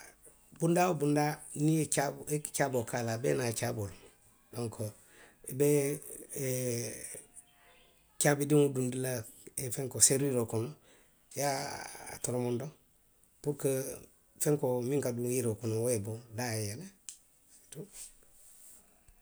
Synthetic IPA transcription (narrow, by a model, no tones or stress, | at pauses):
bundawobundanieaekt͡ʃabokalabenat͡ʃabolu | doŋkʰo | ibe | t͡ʃabidimudundila | efeŋkoseɾiɾokuno | jaa̰tuɾomondo | puɾkə | feŋkomiŋkaduiɾokunowebodajene | tu